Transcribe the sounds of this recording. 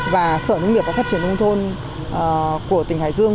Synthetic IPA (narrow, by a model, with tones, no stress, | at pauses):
vaː˨˩səː˧˩nɨ˧wŋ͡mni˨˩əva˨˩faː˦˥t͡ɕi˧˩ənkə˧wŋ͡mt̪ʰo˧n˨˩ | ku˧˩ət̪ï˧˩ŋ̟ha̰ː˧˩˨jzɨ˧əŋ